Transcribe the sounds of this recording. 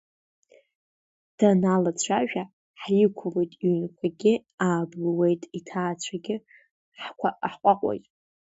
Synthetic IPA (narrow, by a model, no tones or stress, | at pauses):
d̥analat͡ɕʷʰaʒᶣa | ħjɪkʷʰro̞jtʼiɥnkʷʰaɡʲɪaːblwejtʼitʰaːt͡ɕʷʰaɡʲɪ | ħʷaħqʷʼaqʷʼo̰jtʼ